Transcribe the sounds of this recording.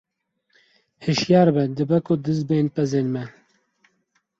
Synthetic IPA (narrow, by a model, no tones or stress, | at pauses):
hɨʃjɑːɾbɛd̪ɨbɛkʊd̪ɨzbeːnpɛzeːnmɛ